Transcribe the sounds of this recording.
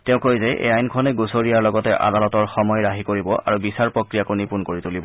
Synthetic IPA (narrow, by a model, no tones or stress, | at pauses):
tɛʊ̃kojzɛʔḛajnkʰɔnɛɡusoɹijaɹlɔɡɔtɛʔa̰dalɔtɔɹxɔmɔjɹaɦikoɹibɔʔa̰ɹubisaɹpɹokɹijakunipunkoɹitulibɔ